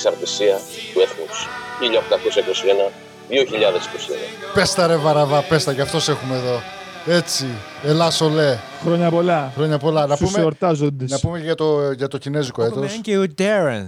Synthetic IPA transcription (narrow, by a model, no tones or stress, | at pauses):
sɐɾt̪isiɐpueθusçiʎɐoxt̪ɐko̞sɐiko̞sienɐ | ðioçiʎɐðesi̥kosiḛnɐ̰pe̞st̪ɐɾevɐɾɐvɐpe̞st̪ɐcɐft̪o̞se̞xume̞ðo̞ | e̞t͡si | elɐso̞le̞ | xɾoɲɐpolɐxɾo̞ɲɐpo̞lɐnɐusmeoɾt̪ɐzond̪enɐspumeʝɐt̪oʝɐt̪o̞cine̞ziko̞t̪oseud̪eɾɐn